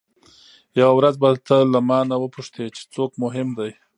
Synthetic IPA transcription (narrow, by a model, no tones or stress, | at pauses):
jawawɾazbat̪əlamɑnawəpuʂt̪et͡ʃe̥t͡sokmʊɦɪmd̪aj